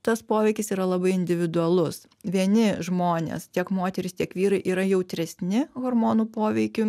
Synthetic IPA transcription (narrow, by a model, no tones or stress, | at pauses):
t̪ɐspoːʋʲɛɪkʲɪsiːɾɐlˠɐbɐɪɪnʲd̪ʲɪʋʲɪd̪ʊɐlˠʊs | ʋʲiɛnʲɪʒmoːnʲḛːst̪ʲiɛkmoːt̪ʲɛɾʲɪst̪ʲiɛkʋʲiːɾɐɪʔiːɾɐjɛʊt̪ʲɾʲɛsʲnʲɪɣoɾmoːnuːpoːʋʲɛɪkʲʊ